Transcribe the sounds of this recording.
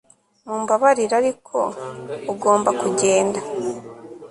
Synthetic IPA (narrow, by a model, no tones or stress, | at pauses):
muːmbaβaɾiɾaɾikʰo̞ːɡo̞ːmbakuɟe̞ːnda